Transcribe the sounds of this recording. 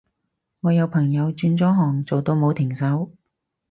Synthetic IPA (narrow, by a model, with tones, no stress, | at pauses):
ŋɔː˨˧jɐ˨˧wpʰɐ˨˩ŋjɐ˨˧wt͡ʃyː˧nt͡sɔː˨˥ɦɔː˨˩ŋt͡so˨wt̪o˧wmo˨˧wt̪ʰɪ˨˩ŋsɐ˨˥w